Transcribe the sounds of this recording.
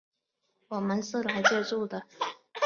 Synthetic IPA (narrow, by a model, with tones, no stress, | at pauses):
wɔ˨˩mə˦nʂɻ̩˥˩la˧˥ɪt͡ɕjɛ˥˧ʈ͡ʂu˥˩d̪ə˩